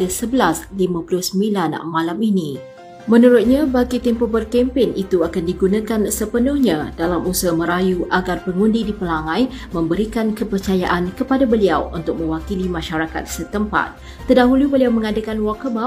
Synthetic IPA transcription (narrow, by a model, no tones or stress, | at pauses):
dasəbəlaslimãpulʊhsəmbilanmãlamini | mə̃nuɾʊt̪̚ɲabaɡit̪ɛmpɔhbərkɛmpɪnit̪uakandiɡunãkansəpənʊhɲãdalamusəmə̃ɾajuʔaɡarpəŋundidipəlaŋãjmə̃mbəɾikankəpərt͡ʃajaʔankəpadabəliawunt̪ʊk̚mə̃wakilimãʃaɾaka̰t̪̚sət̪əmpa̰t̪̚ːərdaɦulubəliawmə̃ŋadakanwakəba